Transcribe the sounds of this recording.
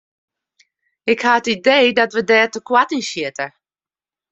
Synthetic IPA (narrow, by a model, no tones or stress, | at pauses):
ɪkhaətideːdɔtʋədɛːtəkwatinsɪtə